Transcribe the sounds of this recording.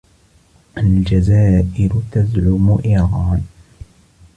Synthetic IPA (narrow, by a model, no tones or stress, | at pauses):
ʔald͡ʒazaːʔɪɾʊt̪azʕʊmʊʔɪɣɑːn